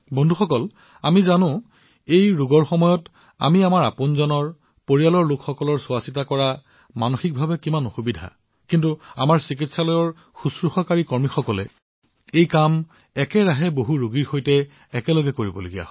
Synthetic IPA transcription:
bondʱuxɔkɔl | amizanʊ̃ | ejɹuɡɔɹxɔmɔjɔt | a̰miamaɹa̰ponzɔnɔɹ | poɹialɔɹlokxɔkɔlɔɹsʊasitakɔɹa | manoxik̚bʱabɛkimanoxubidʱa̰ | kintua̰maɹsik̬itsalɔjɔɹ | xusɹuxɔkaɹikɔɹmixɔkɔlɛ̰ | ejkam | ɛkɛɹaɦɛboɦuɹuɡiɹxojtɛː | kɛlɔɡɛkoɹibɔloɡija̰

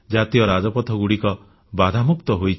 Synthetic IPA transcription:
d͡ʒat̪ijɔɾad͡ʒɔpɔt̪ʰɔɡuɽikɔ | bad̪ʱamukt̪ɔɦojt͡ʃ

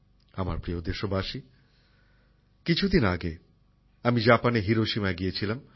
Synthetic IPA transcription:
ama̰ɾpɾiod̪eʃːobaʃi | kit͡ɕʰud̪inaɡe | amid͡ʑapaneɦiɾoʃimaeɡijet͡ɕʰilam

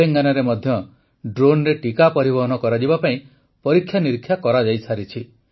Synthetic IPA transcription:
eŋɡanɔɾemɔd̪ʱjɔ | ɖɾonɾeʈikapɔɾibɔɦɔnɔkɔɾad͡ʒibapaĩ | pɔɾikʰjaniɾkʰjakɔɾad͡ʒajsʰaɾit͡ʃʰi

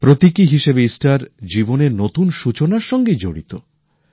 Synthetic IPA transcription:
pɾot̪ikiɦiʃebeisʈaɾd͡ʑiboneɾnot̪unʃut͡ɕonaɾʃɔŋɡed͡ʑo̰ɽḭt̪o

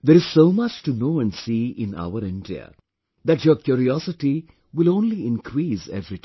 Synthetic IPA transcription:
d̪eɾɪz̥soːmʌt͡ʃʈunoːæ̃nɖsiːʔɪ̃na̰ʊəɾɪ̃nɖḭə̰ | d̪æʈjoːɾkjuːɾiɔsɪʈi | ʋɪlõːnliɪ̃nkʰɾiːsḛvɾit̪

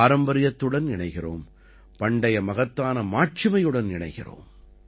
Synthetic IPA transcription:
aːɾɐmbɐɾɪjɐt̪ːɯɽɐnɪɳɐɪɣɪroːm | pɐɳɖɐjɐmɐɣɐt̪ːaːnɐmaːʈ̚t͡ʃɪmɐjɯɽɐnɪɳɐ̰ɪɣɪro̰ːm

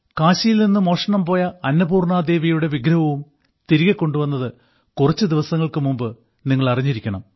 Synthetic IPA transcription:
kaːɕɐjilninːɨmo̞ːʂɐɳɐmpo̞ːjɐɐnːɐbuːrɳaːd̪e̞ːʋijuɽe̞ʋiɡɾɐʋɐʋum | t̪iɾiɣɐkːo̞ɳɖuʋɐnːɐðɨ | kurɐt͡ɕːɨd̪iʋɐsɐŋːɐɭkɨmumbɨ | niŋːɐɭɐriɲːiɾikʲːɐɳɐm

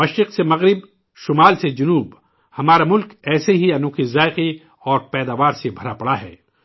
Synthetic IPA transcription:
mɐʃɾɪqsemɐɣɾɪb | ʃʊmaːlsed͡ʒʊnuːb | hɐmaːɾamʊlkɛːseɦiɐnũːkʰizaːɪqi | ɔːɾpɛːd̪aːʋaːɾsebʱɐɾapɐɽaɦɛ̰ː

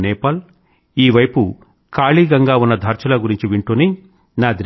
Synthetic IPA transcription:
nɛːpɐl | iːʋɐjpu | kaːɭiːɡɐŋɡaːunːɐd̪ʱɐɾt͡ʃɐlɐɡuɾiɲt͡ʃiʋiɳʈuːni | naːd̪ɾ

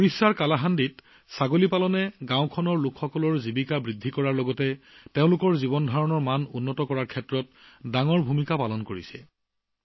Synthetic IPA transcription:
poɹisaɹkalaɦandit | saɡolipalɔnɛɡãʊkʰɔnɔɹlukʰxɔkɔlɔɹzibikabɹidʱːikɔɹaɹlɔɡɔtɛteʊ̃lʊkɔɹzibɔndʱaɹɔnɔɹmanʊnːɔtɔkɔɹaɹkʰɛtɹɔt̚daŋɔɹbʱumikapalɔnkoɹisɛ̰

